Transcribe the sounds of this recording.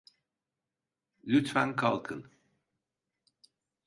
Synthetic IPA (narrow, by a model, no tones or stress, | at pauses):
lʲyt̪fænkʰalˠkʰɯn